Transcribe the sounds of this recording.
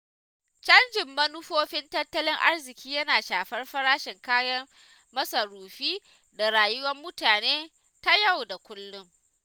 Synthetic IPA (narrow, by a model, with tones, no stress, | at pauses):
t͡ʃɐ˦nd͡ʒɪ˨mːɐ˦nʊ˦ɸoː˦ɸɪ˦ntɐ˦tːɐ˦lɪ˦ŋʔa̰˦rzɪ˨kʲʰiː˦jɐ˦naː˨ʃaː˨ɸɐ˦rɸɐ˦ɾaː˦ʃɪ˨ŋkaː˦jɐ˦r | mɐ˦sɐ˨ɾuː˨ɸiː˦ | da˨ɾaː˨jʊ˦wɐ˦mːʊ˦taː˨neː˦ | ta˦ja˦˨wda˨kʷʊ˦lːʊ˦ŋ